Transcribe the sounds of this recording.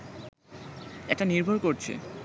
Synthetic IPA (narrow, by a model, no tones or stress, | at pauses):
eʈaniɾbʱoɾkoɾt͡ɕʰḛ